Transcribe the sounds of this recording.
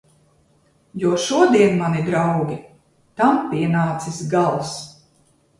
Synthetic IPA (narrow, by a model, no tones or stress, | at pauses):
juɔʃuɔd̪iɛnmanid̪ɾawɡʲi | t̪ampiɛnaːt̪sisɡalˠs